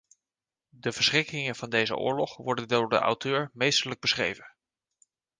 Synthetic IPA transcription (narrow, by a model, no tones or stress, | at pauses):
dəv̥əɹsχrɪkɪŋənv̥ɑndejzə̰ʔʊ̰ːɹlɔχʋɔɹdəndʊːdə̰ʔa̰wtʰøːɹmejstələɡ̚bəsχrḛjvən